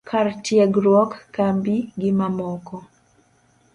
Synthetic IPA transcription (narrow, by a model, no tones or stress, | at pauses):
kʰartjɛɡɾwɔkːambiɡɪmamɔkɔ